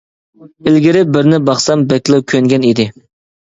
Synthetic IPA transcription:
ɪlɡʲɪɾɪbɪɾnɪbɑχsɑmbɛkʲlˠɨkʲʰøŋɡʲɛnid̪ɪ

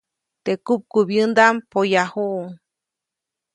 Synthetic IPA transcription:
t̪ekup̚kubjɨnd̪ampojahuʔuŋ

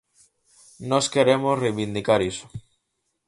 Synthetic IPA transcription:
noskeɾemosrejβind̪ikaɾiso̥

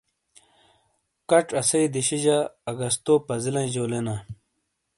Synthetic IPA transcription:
kɐʈ͡ʂɐsɐid̪iɕid͡ʑaːɡɐst̪oːpɐzilɐ̃ʑoːlena

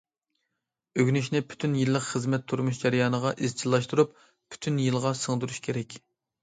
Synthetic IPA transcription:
øɡʲnyʃnɪpʰy̥t̪ʰynjilːəqχəzmɛt̪ʰːuɾmuʃd͡ʒæɾɨjɑːnəʁɑʔizt͡ʃʰilˠːɑʃt̪uɾup | pʰːy̥t̪ʰynjilˠʁɑsəŋd̪uɾuʃkʲʰeɾɛkʲ

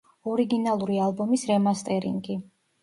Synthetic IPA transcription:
ɔɾiɡinalˠuɾialˠbɔmisɾɛmast̪ʼɛɾḭŋɡi

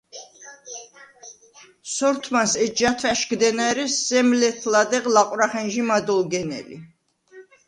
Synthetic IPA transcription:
sɔɾt̪ʰmansɛd͡ʒat̪ʰvɛʃɡd̪ɛnaɾɛsːɛmlɛt̪ʰlad̪ɛqlaqʼwɾaχɛnʒimad̪ɔlɡɛnɛ̰lḭ

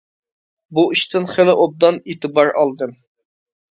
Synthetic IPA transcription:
buiʃt̪ɪnχelɪʔob̚d̪ɑnet̪ɨbɑɾɑlˠd̪ɨm

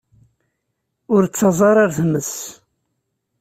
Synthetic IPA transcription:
ʊɾt͡sːɑzˤɑɾˤɑɾθməs

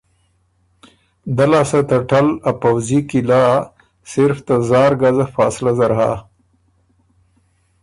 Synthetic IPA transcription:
d̪alaːsat̪ɐʈalapawzikila | sɪɾft̪azɑːɾɡazafaːslazaɾɦa̰

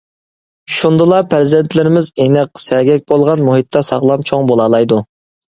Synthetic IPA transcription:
ʃund̪ɨlˠɑpʰæɾzɛnt̪ʰlɪɾɪmɪzenɪq̚sɛɡʲɛk̚ʲbolˠʁɑnmuɦit̪ʰːɑsɑχlˠɑmt͡ʃʰoŋbolˠɑːlˠɑjd̪u

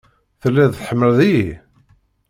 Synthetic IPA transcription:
θəlːæðθħəmːəlði

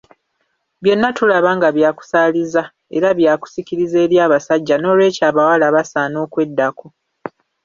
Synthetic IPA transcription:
βje̞nːatulaβaːŋɡaβjaːku̥saːliza | e̞̰ɾaβjaːku̥siciɾize̞ːɾjaːβasaɟːano̞ːlwe̞ːcaːβawalaβasaːno̞ːkwe̞dːako̞

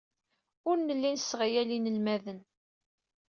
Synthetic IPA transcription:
ʊɾnəlːinsːʁajælinəlmæðən

